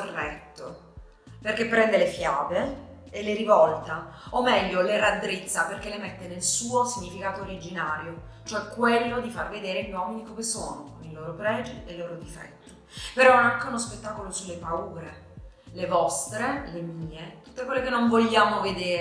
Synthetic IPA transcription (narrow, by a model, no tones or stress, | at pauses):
orːɛt̪ːo | perkepːɾɛnd̪elefjaːveː | leɾivɔlt̪a | omːɛʎːolerad̪ɾit̪sːaperkelemet̪ːenelsuːosiɲːifikaːt̪oːɾid͡ʒinaːɾjo | t͡ʃoɛkːwelːod̪ifarved̪eːɾeʎwɔminikomeso̰ːnokoniloːɾopɾɛːd͡ʒeleloːɾod̪ifɛ̰t̪ːo̥ | peɾɔaŋkeunospet̪ːaːkolosulːepauːɾe | levɔst̪ɾelemiːet̪u̥t̪ːekwelːekenːoɱvoʎːaːmoved̪eːɾ